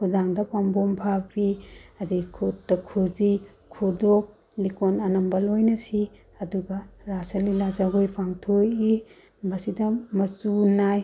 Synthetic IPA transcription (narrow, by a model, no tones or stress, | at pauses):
kʰudaŋdɐpambompʰapiɐdikʰutːɐkʰuzi | kʰudok̚ | likonɐnɐmbɐlojnɐsi | ɐduɡɐɾasɐlilazaɡojpʰaŋtʰoji | bɐsidɐmɐsunaj